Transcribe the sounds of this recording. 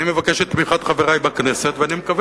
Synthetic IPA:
nimevakeʃet̪tːmiχat̪χaveʁajbakneset̪veanimekav

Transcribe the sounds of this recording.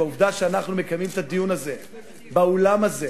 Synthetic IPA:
auvd̪aʃeanaχnume̞kamimt̪ad̪ijunaze̞ | baolamaze

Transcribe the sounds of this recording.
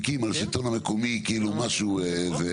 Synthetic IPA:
kimalsit̪onamekomikiːlumaʃueve

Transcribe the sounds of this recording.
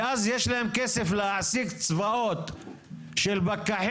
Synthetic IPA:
ʔazjeʃlahemkeseflehaʕsikt͡svaʔot̪ | ʃelbakːaħ

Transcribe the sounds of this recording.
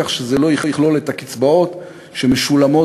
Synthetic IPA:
aχʃezelo̞jiχjiχlo̞let̪akit͡sbao̞t̪ | ʃemeʃulamo̞

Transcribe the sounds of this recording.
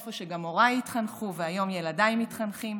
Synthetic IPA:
foʃeɡamo̞ʁajit̪χanχuveajo̞mjeladaimit̪χanχim

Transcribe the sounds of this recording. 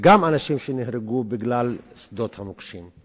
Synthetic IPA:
ɡamanaʃimʃenehɾeɡubiɡlalsd̪ot̪hamokʃim

